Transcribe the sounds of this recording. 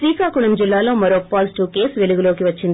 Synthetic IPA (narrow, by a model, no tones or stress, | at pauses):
ʋiːkaːkuɳɐmd͡ʒilːaːlo̞ːmɐɾoːpːaːlsʈuːke̞ːsʋe̞luɡulo̞ːkiʋɐt͡ʃːind̪i